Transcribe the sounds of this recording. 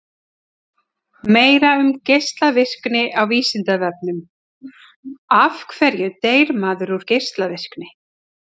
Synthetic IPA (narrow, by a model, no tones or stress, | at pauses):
meːjɾaʏmcejst̪lavɪsknɪʔawviːsɪnt̪avɛp̚nʏm | afkʰvɛɾjʏt̪eːjɾmaːðʏɾuɾ̥cejst̪lavɪsknɪ